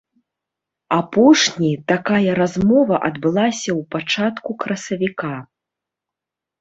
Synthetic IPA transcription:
apɔʂnʲit̪akajɐɾazmɔvɐʔɐd̪bɨlˠasʲɐwpat͡ʂat̪kukɾɐsɐvʲika

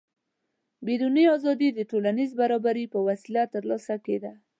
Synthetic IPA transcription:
bed̪uniɑzɑd̪id̪əʈolanizbaɾɑbaɾipəwasilat̪ːəɾlɑsaked̪a

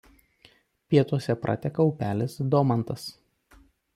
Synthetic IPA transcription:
pʲiɛt̪uɔsʲɛpɾʔɐ̰t̪ʲɛkɐɔʊpʲæːlʲɪsd̪ɔmɐnt̪ɐs

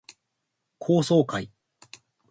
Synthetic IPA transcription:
kʰo̞ːso̞ːkai

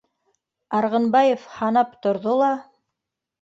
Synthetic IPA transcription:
ɑɾʁɤ̆nbɑjefhɑnɑpt̪ŏɾðolˠɑ

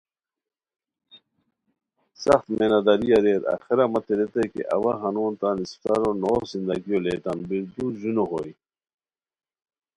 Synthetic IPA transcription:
sɐxt̪menɐd̪ɐɾijɐɾeːɾa̰xiɾɐmɐt̪eɾet̪ekḛʔɐ̰waxɐnoːnt̪anist̪ɐɾonoːsind̪ɐɡijoleːʈ̪ɐnbiɾd̪uʑunoxoi

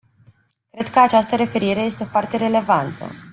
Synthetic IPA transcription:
kɾe̞d̪kəat͡ʃast̪əɾe̞fe̞ɾiɾe̞je̞st̪e̞foart̪e̞ɾe̞le̞vant̪ə̰

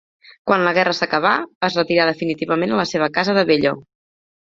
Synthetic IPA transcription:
kwanləɣɛrəsəkəβ̞abazrət̪iɾaðəfinit̪iβəmenələseβ̞əkazəðəβeʎo̰

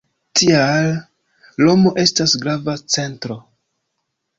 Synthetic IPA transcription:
tʰialː | o̞mo̞ʔe̞stasɡɾavat͡se̞ntɾo̞

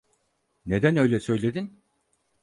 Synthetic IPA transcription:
ne̞d̪ænø̞jlʲɛsø̞jlʲe̞d̪in

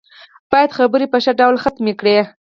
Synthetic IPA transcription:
b̥ɑjad̪xabəɾepəʃaɖawlxat̪mekɽe

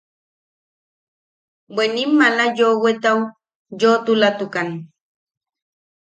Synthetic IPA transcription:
benimːalajowet̪aw | jot̪ʊlat̪ʊkan

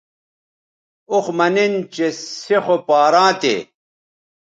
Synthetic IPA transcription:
uxmɐnint͡ɕesexopaːɾãːt̪ḛ

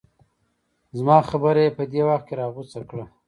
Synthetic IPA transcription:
zmɑːxabəɾajepəd̪ewaxt̪̚keɾɑɣut͡sakɽa

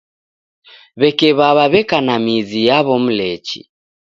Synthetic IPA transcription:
βɛkɛβaβaβɛkanamizijaβɔm̩lɛt͡ʃḭ

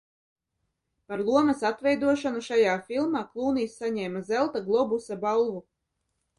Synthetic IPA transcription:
paɾlˠuɔmɐsat̪vɛjd̪uɔʃanuʃajaːfilˠmaːklˠuːniːsːaɲɛːmazɛlˠt̪aɡlˠɔbusabalˠvu

